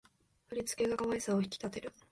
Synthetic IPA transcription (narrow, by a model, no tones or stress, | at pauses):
aɾʲit͡sɨ̥keɡakamaisaoçi̥kʲi̥t̪at̪e̞ɾɯ̟